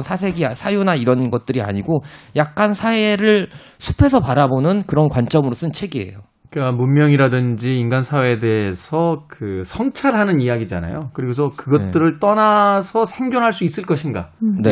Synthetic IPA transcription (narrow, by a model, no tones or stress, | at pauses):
sʰasʰe̞ɡiasʰajunaiɾʌnɡʌt̚t͈ɯɾia̰ɲiɡojak̚k͈ansʰaeɾɯɭ | sʰu̥pʰe̞sʰʌpaɾabonɯnkɯɾʌnkwant͡ɕ͈ʌmɯɾos͈ɯnt͡ɕʰe̞ɡie̞̰jo | k͈amunmjʌŋiɾadɯnd͡ʑiːnɡansʰaweːde̞ɦesʰʌkɯsʰʌŋt͡ɕʰaɭɦanɯnijaɡid͡ʑa̰na̰jokɯɾiɡos̬ʰʌkɯɡʌɯɾɯɭt͈ʌnasʰʌsʰeŋɡjoŋɦaɭs͈uis͈ɯɭk͈ʌɕʰinɡa̰ne̞